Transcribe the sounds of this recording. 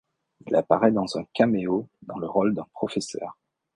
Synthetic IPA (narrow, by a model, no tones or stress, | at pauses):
ilapaʁɛd̪ɑ̃zɛ̃kameod̪ɑ̃ləʁɔld̪ɛ̃pχɔfesœ̰ːʁ